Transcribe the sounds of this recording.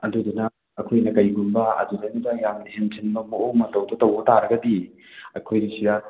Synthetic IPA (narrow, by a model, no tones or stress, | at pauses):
ɐdudunɐ | ɐkʰojnɐkɐjɡumbɐɐ̰dudɐjnudɐjamnient͡ʃenbɐmoowmɐtɐwdotɐwbɐtaɾɐɡɐdi | ɐkʰojɾisida